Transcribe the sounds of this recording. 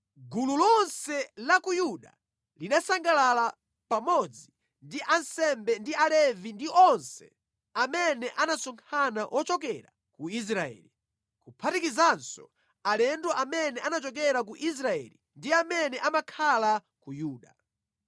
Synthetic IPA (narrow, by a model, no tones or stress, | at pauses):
ɡululɔnsɛlakujuɗa̰ | linasaŋɡalala | pamɔd͡zi | ndiʔansɛmbɛndialɛvindiʔɔnsɛ̰ | amɛnɛʔanasɔŋkʰanawʔɔt͡ʃɔkɛɾa | kuis̬ɾaɛ̰li | kupʰatikizansɔ̰ | alɛndɔʔamɛnɛʔanat͡ʃɔk̬ɛɾak̬uʔis̬ɾaɛ̰li | ndiamɛnɛʔamakʰala | kujuːɗa